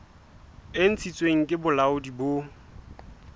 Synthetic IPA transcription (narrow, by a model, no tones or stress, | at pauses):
ɪn̩t͡sʰit͡sʼweŋ̩kʼɪbʊlaʊdibo